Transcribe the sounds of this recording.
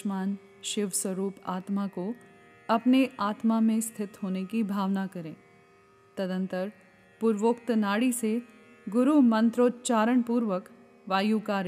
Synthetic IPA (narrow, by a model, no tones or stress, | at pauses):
ʃmaːn | ʃɪʋswəɾuːpaːt̪mako | ɐpneʔaːt̪mamẽst̪ʰɪt̪ɦoːnekibʱaːʋnakɐɾḛ̃ː | t̪əd̪ə̃nt̪əɾ | pʊɾʋoːkt̪naːɽise | ɡʊɾumɐ̃nt̪ɾoːt̪t͡ʃaːɾəɳ̃puːɾʋək | ʋaːjukaːɾ